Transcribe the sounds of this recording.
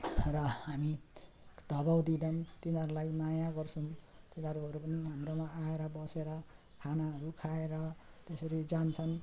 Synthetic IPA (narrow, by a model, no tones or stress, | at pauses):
rʌɦami | d̪ʌbawd̪idʌnt̪inʌɾulajmajaɡʌrt͡sʰʌw̃ | t̪inʌɾuɦʌɾupʌniɦamromaaeɾʌbʌseɾʌ | kʰanaɦʌɾukʰaeɾʌ | t̪esʌɾid͡zant͡sʰʌn